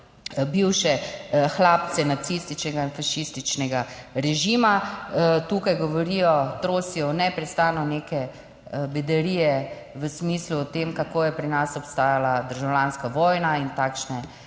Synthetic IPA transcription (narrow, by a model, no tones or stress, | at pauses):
biwʃɛxlaːp̚t̪t͡s̪sɛnat̪sist̪it͡ʃnɛɡainfaʃist̪it͡ʃnɛɡaɾɛʒimat̪uːkajɡɔʋɔɾijɔt̪ɾoːsiɔnɛpɾɛst̪aːnɔneːkɛ | bɛd̪ɛɾiːjɛ | ʋəsmiːsluːt̪eːmkakoːjɛpɾinasɔpst̪aːjalad̪əɾʒawlaːnskaʋɔːjnaint̪aːkʃnɛ